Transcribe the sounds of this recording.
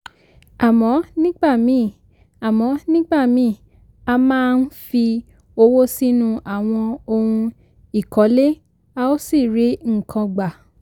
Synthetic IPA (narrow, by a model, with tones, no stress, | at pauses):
a˨mɔ̃˨˦nĩ˦ɡ͡ba˦˨mĩ˨˦˨ | a˨mɔ̃˨˦nĩ˦ɡ͡ba˦˨mĩ˨˦˨ | a˧mãː˦˧n̩˦fi˧ | o˧wo˦si˦nũ˧ʔa˨w̃ɔ̃˧o˧hũ˧ | i˦˨kɔ˨˦le˦ | a˧o˦si˦˨ɾe˨˦ŋ̩˦˨kʰã˧ɡ͡ba˨